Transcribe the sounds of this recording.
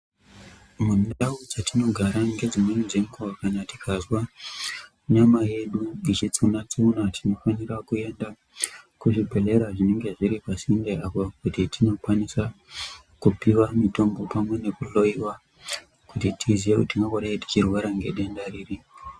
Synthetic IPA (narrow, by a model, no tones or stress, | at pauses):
mundaud͡zatino̞ɡʱaɾaŋɡe̞d͡zimwenizemkowakanati̥kazwa | ɲamaje̞ɗuit͡ʃit͡sunat͡sunatʰino̞fanirakue̞nda | kuʐibʱe̞le̞ɾaʐine̞ŋɡe̞ʐiɾipasindeʔapokutitʰino̞kwanisa | kupiwamito̞mbo̞pamwe̞ne̞kulo̞jiwa | kutitʰizijekutiŋɡakoɗaiti̥t͡ʃirwaɾaŋɡe̞ɗendariːri